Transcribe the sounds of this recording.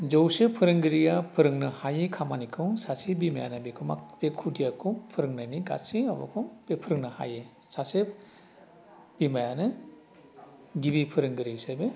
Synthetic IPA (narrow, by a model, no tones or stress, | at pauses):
d͡ʒowsepʰɯɾɯŋɡɯɾijapʰɯɾɯŋnɯhajekʰamanikʰɯwsasebimaja̰nɯbikʰɯma̰kb̥ekʰudijakʰɯwpʰɯɾɯŋnajniɡa̰sia̰bɔ̰kʰɔbepʰɯɾɯŋnɯha̰je | sase | b̥imajanɯ | ɡibipʰɯɾɯŋɡɯɾisabe